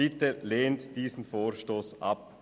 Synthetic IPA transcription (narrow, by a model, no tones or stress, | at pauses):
ɪtəleːntd̥iːzn̩foːɾʃtoːsʔɑp̚